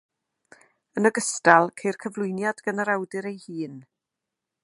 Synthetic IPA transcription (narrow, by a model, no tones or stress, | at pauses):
ənəɡəstalˠkʰejrkʰəvlˠʊɨnjadɡənəɾawdɨɾejhiːn